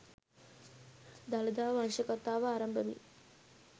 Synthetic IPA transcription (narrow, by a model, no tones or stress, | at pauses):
d̪alɐd̪aːʋanʃəkɐt̪aːʋɐaːɾɐmbəʋḭ